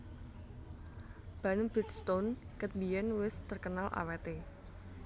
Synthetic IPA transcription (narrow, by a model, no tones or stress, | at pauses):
b̥anbɛt̪st̪onkət̪̚bijɛnwɪst̪ərkənalʔa̰wɛt̪e